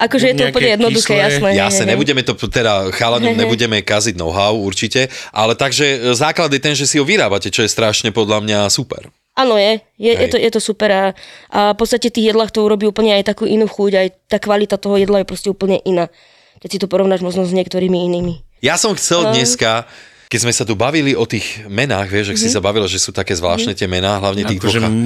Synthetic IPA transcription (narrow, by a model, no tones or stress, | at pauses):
ʔakɔʒɛjɛd̪ɔːpl̩ɲɛjɛd̪nɔd̪uxɛːjasnɛjasɲɛɲɛbuɟɛmɛt̪ɔt̪ɛd̪axalaɲɲɛbuɟɛmɛkaziɟnɔ̰ɦaʊuɾt͡ʃicɛʔa̰lɛt̪aɡʒɛzaːklad̪jɛt̪ɛnʒɛsiɦɔʋiɾaːbacɛt͡ʃɔjɛst̪ɾaːʃɲɛpɔd̪lamɲasupɛ̰ɾ | ʔaːnɔjɛ | jɛjɛt̪ɔjɛt̪ɔsupɛɾaʔapɔt̪t͡sst̪acɛft̪iːɣjɛd̪laːxt̪ɔuɾɔbiːuːpl̩ɲɛajt̪akuːʔinuːxuɟajt̪aːkʋalit̪at̪ɔɦɔjɛd̪lajɛpɾɔscɛuːpl̩ɲɛʔinaː | kɛcsit̪ɔpɔɾɔʋnaːʒmɔʒnɔzɲɛkt̪ɔɾiːmiiniːmijasɔmxt͡sɛld̪ɲɛska | kɛzmɛsat̪̬ubaʋiliɔt̪iːɣmɛnaːɣʋɪɛʒaksisabaʋilaʒɛsuːt̪akɛːzʋla̰ːʃtnɛːt̪ɪɛmɛnaːɦlaʊɲɛt̪iːɣd̪ɔ